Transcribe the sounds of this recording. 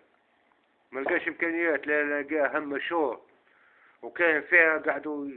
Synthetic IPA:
malɡæːʃɪmkæːnɪjːæːt̪linæɡiːʔaɦamːaʃuːɾ | wkɛːnfiːhaɡaʕd̪u

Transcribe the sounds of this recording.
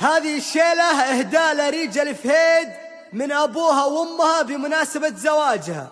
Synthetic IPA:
haːðɪɪʃːeːlaʔɪhd̪aːʔlaɾiːd͡ʒalɪfheːd̪ | mɪnʔabuːɦawʔʊmːhabɪmʊnaːsabazawaːd͡ʒha̰

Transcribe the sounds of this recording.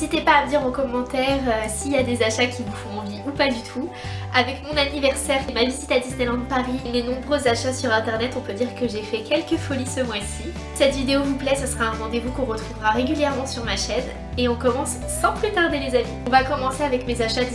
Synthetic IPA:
zit̪epaːməd̪iʁõkɔmːɑ̃t̪ɛʁøsiljad̪ezaʃakʲʰivufɔ̃ɑ̃viupad̪yt̪ʰu | avɛkmɔ̃nanivɛʁsɛʁemavizit̪ad̪ist̪ɛlɑ̃d̪paʁimenɔ̃bʁøzaʃasyʁɛ̃t̪ɛʁnɛt̪ɔ̃pød̪iʁkəʒefɛkʲɛlkəfɔlisəmwasi | sɛt̪vid̪eovuplɛsəsəʁaɛ̃ʁɑ̃d̪evukɔ̃ʁət̪χuvʁaʁeɡʲyljɛʁmɑ̃syʁmaʃɛn | eɔ̃kɔmɑ̃sːɑ̃pχət̪aʁd̪elezaviɔ̃vakɔmɑ̃seavɛkmezaʃad̪i

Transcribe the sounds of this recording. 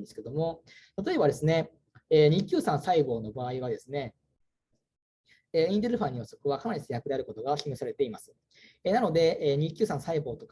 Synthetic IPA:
nd̪esɨ̥ke̞d̪o̞mo̞t̪at̪o̞e̞bad̪e̞sɨne̞ | eːɲ̟ikʲɨːsãɰ̃saiɡo̞ːno̞baːiβ̞ad̪e̞sɨne̞ | eĩnd̪eɾɯ̟ɸãɲ̟ioso̥kɯ̟βakʰanaɾʲisejakɯ̟d̪e̞aɾɯ̟ko̞t̪oɡaçʲimʲesaɾe̞t̪e̞imasɨ̥ | enano̞d̪e̞ɲ̟ikʲːɨːsãɰ̃saiɡo̞ːt̪o̞k

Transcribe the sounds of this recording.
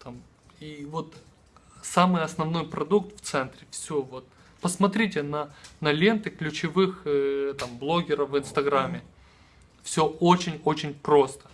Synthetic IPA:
t̪am | ivo̞t̪ | samɨjɐsnɐvno̞jpɾɐd̪uk̚t̪ft̪sɛnt̪ɾʲɪfsʲovot̪̚ | pəsmɐt̪ɾʲitʲɪnɐnɐlʲe̞nt̪ɨklʲʉt͡ɕɪvɨxt̪amblˠo̞ɡʲɪɾəfvɨnst̪ɐɡɾamʲːɪ | fsʲɵot͡ɕɪnʲot͡ɕɪnʲpɾo̞st̪ə̥

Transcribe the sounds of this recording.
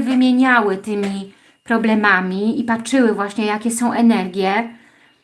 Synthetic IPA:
vɘmʲjeɲawɘt̪ɘmʲi | pɾɔblɛmamʲiipatt͡ʂʂɘwɘvwaɕɲɛjakʲɛsɔ̃w̃ʔɛnɛɾɡʲjɛ

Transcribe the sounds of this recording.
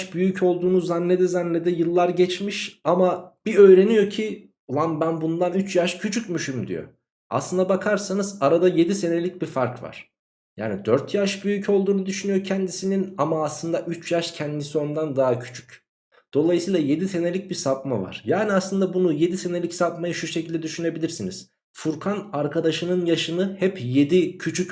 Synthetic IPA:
ʃbyjycʰo̞lˠd̪uːnuzanːed̪ɛzanːed̪ɛjɯlˠːaɾɟɛt͡ʃmiʃamab̥iø̞jɾe̞nijo̞cʰi | vˠambænbund̪anyt͡ʃjaʃcʰyt͡ʃʰycmyʃymd̪ḭjo̰ | a̰slˠɯnd̪abakʰaɾsanɯzaɾad̪aje̞d̪ise̞ne̞lʲic̚bifaɾkva̰ɾ̥ | ja̰ːnid̪øɾt̪ʰjaʃbyjycʰo̞lˠd̪uːnud̪yʃynyjocʰɛnd̪isininamaːslˠɯnd̪aʔyt͡ʃjaʃcʰɛnd̪isond̪and̪aɦacʰy̥t͡ʃʰy̥c | d̪̥o̞lˠajɯsɯjːlˠaje̞d̪ise̞ne̞lʲic̚bisap̚mava̰ɾ̥jaːniaslˠɯnd̪abunuje̞d̪ise̞ne̞lʲicsapmajɯʃuʃecʰilʲd̪ɛd̪yʃyne̞bilʲiɾsiniz̥ | fuɾkʰanaɾkʰad̪aʃɯnɯnjaʃɯnɯhɛpje̞d̪icʰyt͡ʃʰyc

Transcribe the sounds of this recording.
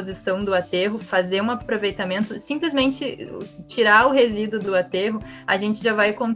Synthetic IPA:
ozisɐ̃w̃d̪ʊat̪eɦʊfazeɾũapɾovejt̪amẽnt̪ʊsĩplɪzmẽnt͡ʃɪt͡ʃiɾaɾʊɦezid̪ʊd̪ʊat̪eɦʊ | aʒẽnt͡ʃɪʒavajkõn

